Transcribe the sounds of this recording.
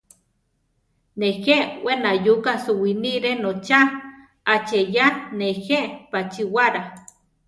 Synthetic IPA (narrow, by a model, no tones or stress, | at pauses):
nehewenajukasuwiniɾenot͡ʃaː | t͡ʃejaneheʔpat͡ʃiwaɾa